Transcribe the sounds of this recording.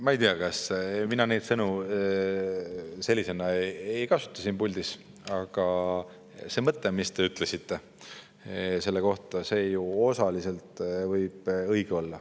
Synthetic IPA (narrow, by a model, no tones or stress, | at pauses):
mɑejt̪iɑkɑsminɑne̞jd̪sɤnu | se̞lʲːise̞nɑejkɑsu̥t̪ˑːɑsinpulʲd̪̥is | ɑɡ̥ɑ | se̞ːmɤt̪ːe̞mist̪e̞yt̪ˑle̞sit̪ːe̞ | se̞lːe̞ko̞ht̪ˑɑse̞ːjuo̞sɑlise̞lt̪ˑvɤjb̥ɤjɡ̥eo̞lːɑ